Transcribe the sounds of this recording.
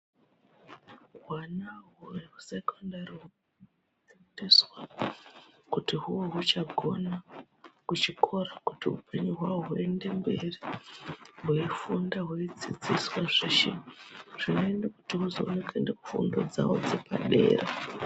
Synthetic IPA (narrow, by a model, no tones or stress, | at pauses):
ɦwanaɦureɦusekondariɦu | idiswa | kutiɦuwoɦut͡ʃaɡʱo̞na | kut͡ʃikʰo̞rakutiṵpʰe̞ɲuɦwaoɦuende̞mbe̞ri | ɦuifundaɦuid͡zid͡ziswaʐiʃiʐ̥ino̞endakutiɦuzounekʰendekufṵndo̞d͡za̰wo̰d͡zepa̰ɗe̞̰ːre